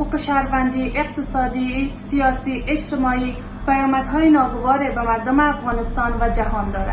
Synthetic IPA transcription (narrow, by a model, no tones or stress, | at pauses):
uːqeʃæɾvænd̪iːʔeq̚t̪esɒːd̪iːsijɒːsiːʔet͡ʃt̪emɒːiː | pʰæjɒːmæd̪ɦɒːjenɒːɡovɒːɾebemæɾd̪omeafɣɒːnest̪ɒnvæd͡ʒahɒːnd̪ɒːɾæ̰d̪